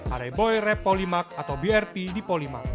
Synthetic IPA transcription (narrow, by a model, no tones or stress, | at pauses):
ʔadajbɔjrɛpːɔlimak̚at̪awbiɛrpidipɔlima̰k̚